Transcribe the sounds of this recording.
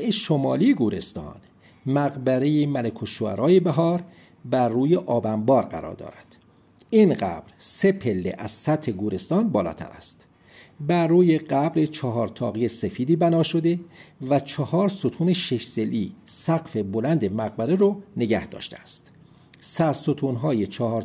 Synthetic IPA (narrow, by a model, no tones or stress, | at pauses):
eʃomɒːlijeɡuːɾe̞st̪ɒ̰ːn | mæɣbæɾe̞jemælekʰoʃoæ̰ɾʔɒːjebæɦɒːɾ | bæɾːuːjeʔɒːbæmbɒːɾɢæ̰ɾɒ̰ːɾd̪ɒ̰ːɾæd̪̥ | iːnɢæ̰b̥ɾse̞pʰe̞lːḛʔæz̥sæt̪ʰhe̞ɡuːɾe̞st̪ɒːnbɒːlɒ̰ːt̪ʰæ̰ɾæ̰st̪ | bæɾːuːje̞ɢæbɾet͡ʃʰɒɦɒːɾt̪ʰɒːɣijese̞fiːd̪iːbænɒːʃo̞d̪e̞væt͡ʃʰɒhɒːɾsot̪ʰuːneʃeʃselʔiːsæɢfe̞bolænd̪e̞mæɣ̚bæɾeɾone̞ɟæhd̪̥ɒ̰ːʃt̪eæst̪ | sæɾsot̪ʰuːnɦɒːjet͡ʃʰɒhɒːɾ